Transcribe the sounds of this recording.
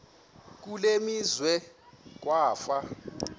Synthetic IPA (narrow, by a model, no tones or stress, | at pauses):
k̬ulemizwɛk̬waːfa